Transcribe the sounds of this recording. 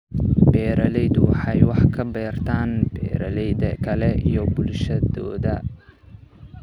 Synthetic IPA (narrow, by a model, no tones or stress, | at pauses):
b̥ɛːɾɐlɛjd̪wɑħɑjwɑħkʰɐbɛːrt̪ʰaːnbɛːɾɐlɛjðɐkʰɐlɛʔijɔbʊlʃɐðɔ̰ːðɐ